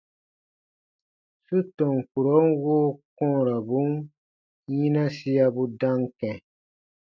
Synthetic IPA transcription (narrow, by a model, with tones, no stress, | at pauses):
su˦tɔ˨ŋ˨ku˨ɾo˨˦n˦woː˦kɔ̃˦˨ɾa˨bu˨˦n | jĩ˦nã˦si˦a˦bu˦dã˦ŋkɛ̃˨